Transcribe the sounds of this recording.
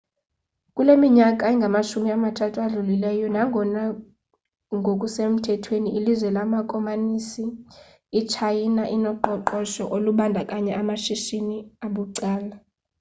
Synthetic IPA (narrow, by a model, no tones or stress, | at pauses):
kʼulemiɲakʼaɛŋɡʱamaʃumiamatʰatʰuaɮulilɛjɔnaŋɔna | ŋɡʱokʼusem̩tʰɛtʰweniʔilizwɛlamakʼɔmanisiː | t͡ʃʰajinaʔinɔǃɔǃɔʃɔʔoluɓandʱakʼaɲɛʔamaʃiʃiniaɓuǀaːla